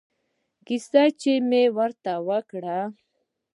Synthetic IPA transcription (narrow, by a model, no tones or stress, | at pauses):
kisat͡ʃemewəɾt̪awəkɽa